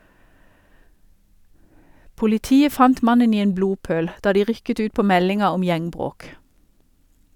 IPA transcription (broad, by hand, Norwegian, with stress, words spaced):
pʊlɪˈtiːə ˈfɑnt ˈmɑnən ˈiː ˈeːn ˈbɽuːˌpøːɽ ˈdɑː ˈdiː ˈʁʏkət ˈʉːt ˈpoː ˈmɛlɪŋɑ ˈɔm ˈjæŋˌbʁoːk